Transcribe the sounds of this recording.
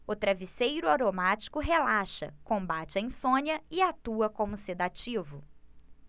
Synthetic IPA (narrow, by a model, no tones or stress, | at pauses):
ʊt̪ɾavisejɾʊaɾomat͡ʃi̥kʊɦelaʃɐ̰kõmbat͡ʃɪẽj̃sõɲjɐɪat̪uɐkõmʊsed̪at͡ʃivʊ